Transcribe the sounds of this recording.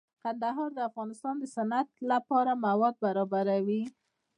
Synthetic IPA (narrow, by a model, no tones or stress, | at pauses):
kand̪aɦɑɾd̪əafɣɑnɪst̪ɑnd̪əsanat̪lapɑɾamawɑd̪̚baɾɑbaɾawi